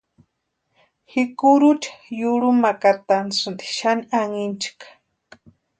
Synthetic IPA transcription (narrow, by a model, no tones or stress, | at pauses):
hikuɾut͡ʃḁjuɺumakat̪ansɨnd̪i̥ʃaniaŋint͡ʃi̥kḁ